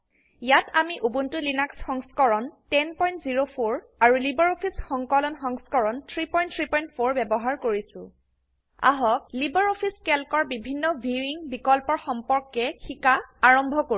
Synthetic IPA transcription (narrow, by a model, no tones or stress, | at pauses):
jatamiʔubuntulinaksxɔŋskɔɹɔntɛnpɔjntziɹopʰoɹ | aɹulibaɹopʰisxɔŋkɔlɔnxɔŋskɔɹɔntʰɹipɔjntʰɹipɔjntpʰoɹbɛbɔɦaɹkoɹisʊ̰̃ | a̰ɦɔk̚libaɹopʰiskɛlkɔɹbibʱinːɔbʱiiŋbikɔlpɔɹxɔmpɔɹkːɛxikaaɹɔmbʱɔko